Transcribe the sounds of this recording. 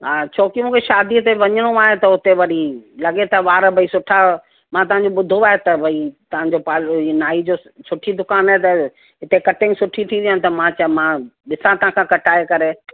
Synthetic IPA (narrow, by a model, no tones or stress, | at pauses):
ɦaːt͡ɕʰoːkimũːkʰeʃaːd̪ʱiət̪eʋɐɲəɽ̃oaːɦet̪ɐʊt̪eʋɐɗilɐɠet̪ɐʋaːɾbʱɐisʊʈʰa | mãt̪ɐʋ̤ãɲd͡ʑoɓʊd̪ʱoaːɦet̪ɐbʱɐit̪ɐʋ̤ãɲd͡ʑopaːlinaːid͡ʑoːsʊʈʰid̪ʊkaːnaːɦet̪ɐ | ɦɪt̪ekɐʈɪ̃ŋɡsʊʈʰit̪ʰĩd̪ijənɪ̃̆t̪ɐmãt͡ɕmãɗɪsãt̪ɐɦãkʰãkɐʈaːekɐɾe